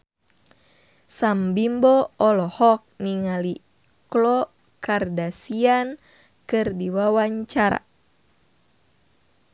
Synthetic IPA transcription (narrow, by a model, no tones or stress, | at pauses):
sambimbɔɔlɔhɔk̚niŋali | klɔ | kardasian | kɨrdiwawaɲt͡ʃaɾa̰